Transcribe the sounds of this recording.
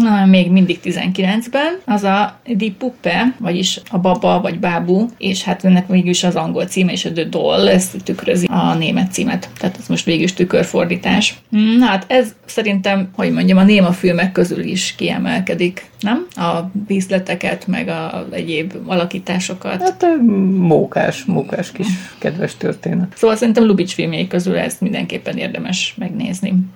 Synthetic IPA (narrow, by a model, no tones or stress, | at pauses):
noɛmːeːɡmind̪ik̚t̪izɛ̰ŋkilɛnzbɛnɒzɒd̪ipːupːɛvɒɟiʃɒbɒbɒvɒɟbaːbueːʃhat̪ɛnːɛkʋeːɡyliʃɒzɒŋɡo̞lt̪siːmɛiʃɛd̪ød̪o̰lːɛst̪ykrø̰ziɒneːmɛt̪ːsḭːmɛ̰t̪t̪ːaːt̪ɛzmo̞ʃt̪ʋeːɡiʃt̪ykørfo̞rd̪iːt̪aːʃm̩nɦat̪ɛzsɛɾint̪ɛmho̞ɟmo̞ɲɟɒmɒneːmɒfilmɛkːø̞zy̰lḭʃkiɛ̰mɛ̰lkɛd̪ik | nɛmɒviːslɛt̪ɛkɛt̪mɛ̰ɡɒzɛ̰ɟeːbɒlɒkiːt̪aːʃo̞kɒ̰t̪at̪ɛmoːka̰ːʃmoːkaːʃkiʃkɛd̪ʋɛʃt̪ø̰rt̪eːnɛt̪soːʋɒlsɛɾint̪ɛmlubit͡ʃfilmjejkø̞zylɛ̰zmind̪ɛ̰ŋkeːpːɛneːrd̪ɛmɛʃmɛɡnḛːzni